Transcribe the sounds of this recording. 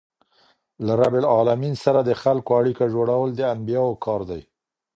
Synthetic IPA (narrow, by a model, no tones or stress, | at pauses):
laɾabɪlɑlaminsaɾad̪əxalkoaɽikaʒoɽawəld̪əanbijɑwokʰɑɾd̪aj